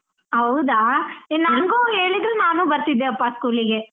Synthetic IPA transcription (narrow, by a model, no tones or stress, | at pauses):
ɦɐwud̪aːenaŋɡuːe̞ːɭid̪ɐlnaːnuːbɐɾt̪id̪ːeɐpːaskuːliɡe̞